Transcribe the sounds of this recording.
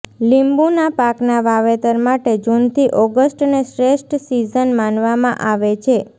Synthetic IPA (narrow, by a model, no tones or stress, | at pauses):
limbunapaknaʋaʋet̪əɾmaʈed͡ʒunt̪ʰiʔɔɡəsʈneʃɾesʈsizənmanʋamã̰ʔaʋet͡ʃʰe